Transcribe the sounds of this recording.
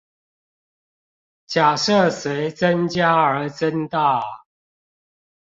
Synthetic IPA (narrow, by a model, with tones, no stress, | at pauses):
t͡ɕja˨˩ʂə˥˨swe˨˦ɪt͡sə˦nt͡ɕja˦˥ə˨˦t͡sə˦nt̪a˥˨